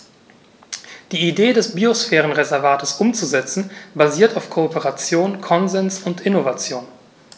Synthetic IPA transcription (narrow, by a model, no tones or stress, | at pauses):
d̥iːideːdɛsbiosfɛːʁənʁezɛɐvaːtəsʔʊmt͡suzɛt͡sn̩baziːɐtaʊfkʰoːpəʁat͡sjoːnkʰɔnzɛnsʊntɪnovat͡sjoːn